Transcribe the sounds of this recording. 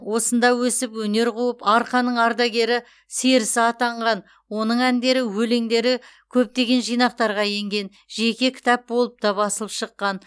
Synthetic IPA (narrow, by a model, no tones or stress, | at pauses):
wo̞sənd̪ɑwɵsɪpwɵne̞ɾqʰuəpɑɾqɑnəɴɑɾd̪ɑɡʲe̞ɾɪ | seɾɪsɪɑt̪ɑɴʁɑn | wo̞nəɴænd̪e̞ɾɪwɵleŋd̪e̞ɾɪ | kʲʰɵp̚t̪e̞ɡʲe̞nʒijnɑq̚t̪ɑɾʁɑje̞ŋɡʲe̞n | ʒe̞kʲe̞kʲʰɪ̥t̪ɑp̚bolˠəp̚t̪ɑbɑsəlˠəpʃəqːɑn